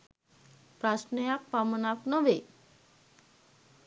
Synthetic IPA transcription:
pɾasnəjakpamənapnəʋe

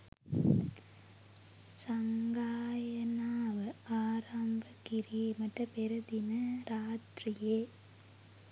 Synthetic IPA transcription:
sɐŋɡaːjɐnaːʋɐaːɾaːmbɐkɪɾimɐʈrɐpɛɾɐd̪ɪnɐɾaːt̪ɾɪje

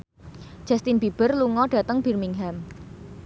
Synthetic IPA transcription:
d͡ʒ̥ast̪inb̥ib̥ərluŋɔɖ̥ä̤t̪əŋb̥i̤rmiŋɦam

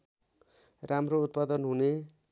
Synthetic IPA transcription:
ramrout̪̚pad̪ʌnɦune

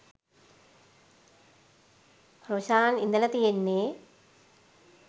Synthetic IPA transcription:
pɾɐʋʃaːnind̪ɐlɐt̪ijenːeː

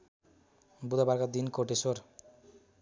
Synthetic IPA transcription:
bud̪abaɾkad̪inkoʈeswor

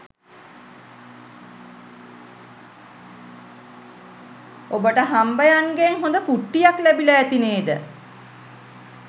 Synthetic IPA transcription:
obəʈəɦambəjaŋɡeŋɦond̪əkuʈːijaklæbiləæt̪ineːd̪ə̰

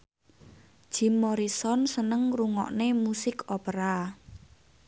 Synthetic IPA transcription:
ʒ̥i̤mːɔɾisɔnsənəŋruŋɔ̰ʔnemusɪkʰopəɾa

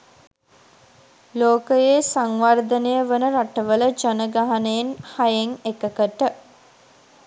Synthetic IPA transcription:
loːkəjeːsaŋʋard̪ənəjəʋənəɾaʈəʋələd͡ʒanəɡaɦanəjenhajeŋekəkəʈə

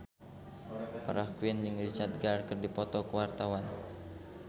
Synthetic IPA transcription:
pa̰ɾahkuinjɨŋrit͡ʃat̪̚ɡarkərdipɔt̪ɔkəwart̪awan

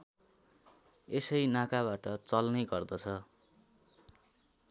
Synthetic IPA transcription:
esʌjnakaβaʈʌt͡sʌlnʌɡʌrd̪ʌt͡sʰʌ

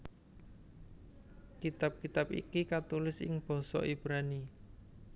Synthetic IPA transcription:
kit̪ap̚kit̪apḭkikat̪ulɪsɪ̰ŋb̥ɔ̤sɔ̰ʔib̥ɾani

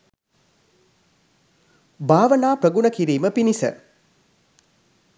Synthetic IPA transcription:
baːʋənaːprəɡunəkiɾiːməpinisə̰

